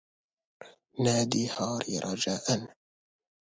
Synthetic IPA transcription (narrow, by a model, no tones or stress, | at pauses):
naːd̪iːhɑːɾɪɾˤʔɑd͡ʒaːʔan